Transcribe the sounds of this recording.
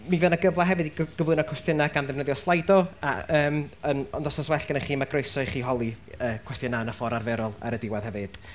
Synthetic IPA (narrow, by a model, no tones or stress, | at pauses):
mivɛːnaɡəvlˠaɦɛvɨdiɡɡ̥əvlɨnɔkʰwɛstɪnaɡanðɪmnəðjɔslˠajdɔa̰əːmənɔndɔsɔswɛɬɡənəχiːmaɡrojsɔɨχiːɦɔlˠiəːkʰw̥ɛstɪnanafɔɾarvɛɾɔlˠa̰ɾədɪwað̥hɛvɨd̥